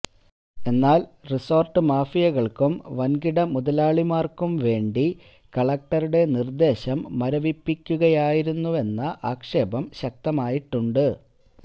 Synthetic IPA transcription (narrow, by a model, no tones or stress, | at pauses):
e̞nːaːlriso̞ːrʈːɨmaːfijɐɣɐɭkumʋɐnɡiɽɐmuðɐlaːɭimaːrkumʋe̞ːɳɖi | kɐɭɐk̚ʈɐɾuɽe̞nird̪e̞ːɕɐmːɐɾɐʋipːikʲːuɣɐjaːjiɾunːue̞nːɐʔaːkʂe̞ːbɐmɕɐk̚t̪ɐmaːjiʈːuɳɖɨ